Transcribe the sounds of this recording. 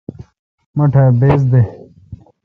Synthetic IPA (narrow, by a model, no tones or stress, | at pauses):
mɐʈʰɐbeːz̬d̪e